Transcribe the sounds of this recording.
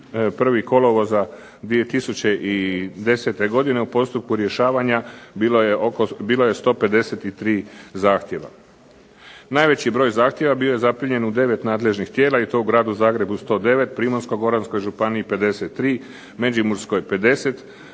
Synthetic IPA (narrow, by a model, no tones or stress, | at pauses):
pr̩ʋiko̞lˠoʋoza | d̪ʋie̞t̪isut͡ɕe̞ʔid̪e̞set̪e̞ɡo̞d̪ine̞upo̞st̪up̚kuɾje̞ʃaːʋaɲajeʔokobiːlo̞je̞st̪o̞ːpe̞d̪e̞se̞t̪it̪ɾiːzaːxt̪ʲje̞ʋa̰ | naːjʋe̞t͡ɕibɾo̞ːjzaːxt̪je̞ʋabio̞je̞zapɾiɲe̞nud̪e̞ʋe̞t̪naːd̪le̞ʒnixt̪je̞ːlˠait̪o̞uɡɾaːd̪uzaːɡɾe̞bust̪o̞ːd̪e̞ʋe̞t̪pɾimonsko̞ɡo̞ɾansko̞jʒupaniipe̞d̪e̞set̪ːɾiː | med͡ʒimuɾsko̞jpe̞d̪e̞se̞t̪